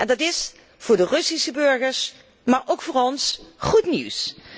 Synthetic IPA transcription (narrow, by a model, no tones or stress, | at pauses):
ʔɛndɑtɪs | v̥ʊːɹdərɵsisəbɵɹχəɹs | maːɹʔowkfʊːɹɔnsχutnḭws